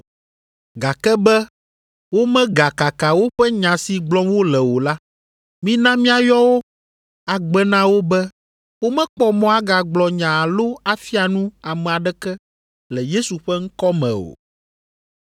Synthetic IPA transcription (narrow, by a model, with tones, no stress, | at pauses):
ɡa˨kɛ˦bɛ˦ | wo˦mɛ̃˦ɡa˨ka˨ka˨wo˦ɸɛ˦ɲã˨si˨ɡ͡blɔ˦wo˦lɛ˨wo˨la˦ | mĩ˦nã˦mĩ˦a˨jɔ˦wo˦ | a˨ɡ͡bɛ˦nã˦wo˦bɛ˦ | wo˦mɛ̃˦k͡pɔ˦mɔ̃˦a˦ɡa˨ɡ͡blɔ˨ɲã˨a˨lo˦a˨fi˦a˨nũ˦a˨mɛ̃˨a˨ɖɛ˦kɛ˦ | lɛ˨je˦su˨ɸɛ˦ŋ̩˦kɔ˦mɛ̰̃˨o̰˨